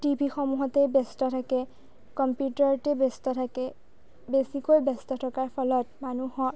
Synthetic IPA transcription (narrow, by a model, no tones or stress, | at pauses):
tibʱixɔmuɦɔtɛbestɔtʰakɛ | kɔmpjutɔɹtɛbestɔtʰakɛ | besikojbɛstɔtʰɔkaɹpʰɔlɔtmanuhɔ̃